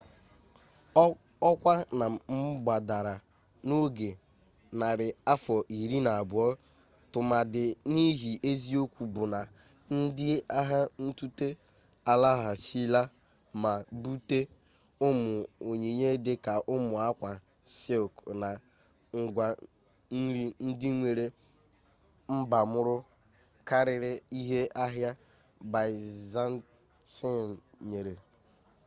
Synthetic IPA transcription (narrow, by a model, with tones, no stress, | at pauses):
ɔ˦kʷa˦na˨m̩˦ɡ͡ba˨da˨ɾa˨ | no˦ɡe˨ | na˨ɾɪ˨a˦fɔ˨ʔi˨ɾi˦na˨a˨bʊ˨˦ɔ˦ | tʊ˨ma˨dɪ˨ni˦ɦi˨ʔe˦zi˦o˦kʷu˨bʊ˨na˨ | n̩˦dɪ˦a˦ɦa˦n̩˦tu˦te˦ | a˨la˦ɦa˨t͡ʃi˦la˦ | ma˨bu˦te˦ | ʊ˦mʊ˨o˨ɲe˨ɲe˦de˦ka˨ʔʊ˦mʊ˨a˦kʷa˨ | si˦o˨kna˨ | ŋ̩˨ɡʷa˨˦ | ɾi˦n̩˦dɪ˦ŋʷe˨ɾe˨ | m̩˦ba˨mʊ˦ɾʊ˦ | ka˦ɾɪ˨ɾɪ˦i˦ɦe˦ʔa˦ɦja˦ | ba˨za˦n˦ | si˦˨ɲe˨ɾe˨